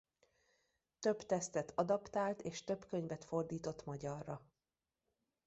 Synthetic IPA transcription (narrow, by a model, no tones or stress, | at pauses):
t̪ø̞bt̪ɛst̪ɛt̪ʰɒd̪ɒpt̪aːlt̪eːʃt̪ø̞bkø̞ɲvɛt̪fo̞rd̪iːt̪o̞t̪mɒɟɒrːɒ